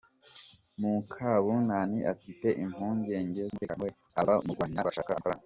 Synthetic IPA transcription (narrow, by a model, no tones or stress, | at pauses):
muŋkʰaβunaniʔafite̞ʔim̥uːɲɟe̞ːɲɟe̞zmekamwe | aβaumuɡwaːɲaaʃaːkaaɾa̰